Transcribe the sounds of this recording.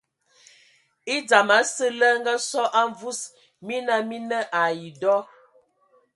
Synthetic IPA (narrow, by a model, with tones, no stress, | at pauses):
i˦d͡za˨ma˨˦sə˦lə˦ŋ̩˦ɡa˦sɔ˦ʔa˦ɱ˦vu˦s | mi˦na˦mi˦nə˦ʔa˨ji˨dɔ˦